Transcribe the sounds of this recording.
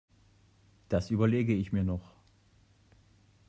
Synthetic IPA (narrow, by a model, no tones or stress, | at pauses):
d̥asʔyːbɐleːɡəɪçmiːɐnɔχ